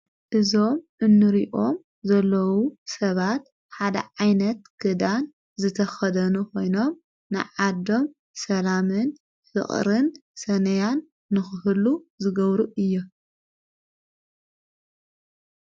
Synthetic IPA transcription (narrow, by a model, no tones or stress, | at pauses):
ʔɨzo̞mʔɨnːɨɾiʔo̞m | zɐlːɐwusɐβat̪ | ħad̪ɐ̰ʕajnɐt̪kʰɨd̪an | zɨt̪ʰɐxɐd̪ɐnuko̞jno̞m | nɨ̰ʕad̪o̞m | sɐlamɨn | fɨ̰χʼɾɨnsɐnɐjanː | ɨxɨhɨluzɨɡɐβɾuʔɨjːu